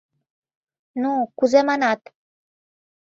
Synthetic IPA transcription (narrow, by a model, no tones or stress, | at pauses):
nukud͡zemanat̪